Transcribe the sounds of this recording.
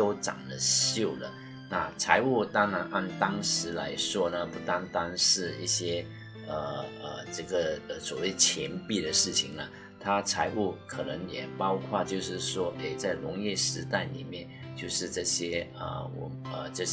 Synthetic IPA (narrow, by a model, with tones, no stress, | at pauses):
o˥ʊʈ͡ʂɑ̰˨˩ŋd̪ə˦ɕjo˥˩ʊlə̰˩ | na˥˩t͡sʰa˧˥ɪu˥˩t̪ɑ˥ŋɻa˧˥nʔa˥˩nt̪ɑ˥ŋʂɻ̩˧˥la̰˧˥ɪʂwɔ˥nə˨pu˥˩t̪a˥ŋt̪a˥nʂɻ̩˥˧ḭ˥˩ɕjɛ˥ | ə˨˩ə̰˨˩ʈ͡ʂɤ˥˩ɡə˨˩ə˧˩swɔ˨˩we˥˩ɪt͡ɕʰjɛ˧˥npi˥˩ɾə˩ʂɻ̩˥˩t͡ɕʰi˨˩ŋlə˩ | t̪ʰa˥t͡sʰa˧˥ɪʔu˥˩kʰɤ˨˩nɤ˧˥ŋjɛ˨˩pɑ˥ʊkʰwa˥˧t͡ɕjo˥˧ʊʂɻ̩˥˩ʂwɔ˥ʔe˥˩ɪt͡sa˥˩ɪlʊ˧˥ŋjɛ˥˩ʂɻ̩˧˥t̪a˥˩ɪnḭ˨˩mjɛ˥˧nt͡ɕjo˥˧ʊʂɻ̩˥˧ʈ͡ʂɤ˥˩ɕjɛ˥ə̰˩wɔ̰˨˩ | ə˧ɤ˥˧˩